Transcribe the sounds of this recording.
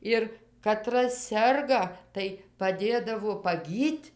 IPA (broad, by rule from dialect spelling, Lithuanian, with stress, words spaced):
ˈɪr kɐˈtrɐs ˈsʲɛrɡɐ tɐɪ pɐˈdʲeːdɐʋoː pɐˈɡʲiːtʲ